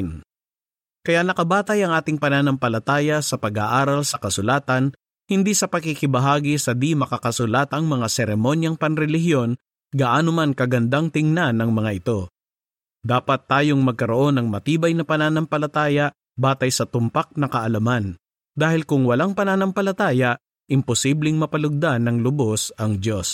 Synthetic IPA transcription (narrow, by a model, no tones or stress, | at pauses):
n | kɐjaʔnɐkɐbaːt̪ɐjɐŋʔaːt̪ɪŋpɐnaːnɐmpɐlɐt̪aːjɐsɐpɐɡa̰ʔaːɾɐlsɐkɐsʊlaːt̪ɐn | hɪnd̪isɐpɐɡ̚kikɪbɐɦaːɡisɐd̪imɐkakɐsʊlat̪ɐŋmɐŋasɛɾɛmo̞njɐŋpɐnɾɛlɪɦɪjo̞n | ɡɐʔaːnomankɐɡɐnd̪aŋt̪ɪŋnanɐŋmɐŋaʔɪt̪o̞ | d̪aːpɐt̪ːaːjoŋmɐɡ̚kɐɾoʔo̞nɐŋmɐt̪iːbɐjnɐpɐnaːnɐmpɐlɐt̪aːjɐʔ | baːt̪ɐjsɐt̪ʊmpak̚nɐkɐʔɐlɐman | d̪aːhɪlkʊŋwɐlaŋpɐnaːnɐmpɐlɐt̪aːjɐʔ | ʔɪmpʊsiblɪŋmɐpɐlʊɡ̚d̪anːɐŋlʊbosɐŋd̪jo̞s